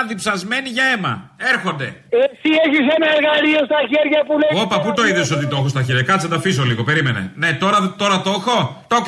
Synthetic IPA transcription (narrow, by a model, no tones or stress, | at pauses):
ðipsɐzme̞niʝɐemɐ̰e̞ɾxo̞nd̪e̞esieçisenɐeɾɣɐliost̪ɐçeɾʝɐpuleopɐput̪oiðoso̞t̪it̪oxost̪ɐçeɾʝɐkɐt̪sɐnd̪ɐfizo̞liɣo̞pe̞ɾime̞nḛne̞t̪o̞ɾɐt̪o̞ɾɐt̪oxo̞t̪ok